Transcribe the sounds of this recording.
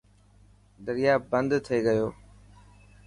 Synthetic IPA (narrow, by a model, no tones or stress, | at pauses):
d̪əɾɪjaːbə̃nd̪t̪ʰeːɡəjoː